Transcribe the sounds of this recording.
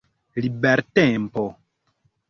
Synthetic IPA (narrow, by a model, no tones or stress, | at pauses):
libɛɾtɛ̃mpɔ